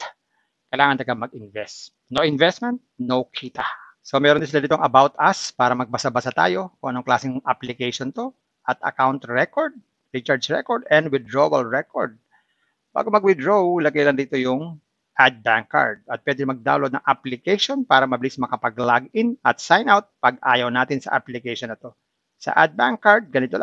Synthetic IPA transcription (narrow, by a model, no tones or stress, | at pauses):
kɐjlaːŋɐnd̪ɐɡamɐɡɪnvɛs | noʔɪnvɛst̪mɛnt̪̚nowkʰiːt̪ɐ | somɛːɾonɪs̬ɪlad̪ɪt̪oŋɐbawt̪ɐspaːɾɐmɐɡ̚bɐsabɐsat̪a̰ːjo̞kʊŋʔɐnoŋklaːsɪŋʔaplɪkɛjʃont̪o̞ | ʔɐt̪ʔɐ̰kawnt̪ɹɛkoɹd̪̚ | ɹit͡ʃaɹd͡ʒɹɛ̰koɹd̪ɛnd̪wɪd̪ɹowɐlɹɛko̰ɹd̪̚ | ba̰ːɡo̞mɐɡwɪd̪ɹowlɐɡɛjlɐŋd̪iːt̪o̞jʊŋ | ʔad̪̚baŋkːa̰ɹd̪̚ɐt̪̚pwɛːd̪ɪmɐɡ̚d̪a̰ːwlod̪nɐŋʔɐplɪkɛjʃonpaːɾɐmɐbɪlismɐkɐpɐɡlaɡɪnɐt̪̚sajnʔawt̪̚pɐɡʔa̰ːjɐwnaːt̪ɪnsɐ̰ʔɐ̰plɪkɛjʃonɐt̪o̞ | sɐ̰ʔa̰d̪̚baŋkːaɹd̪̚ɡɐnɪt̪ol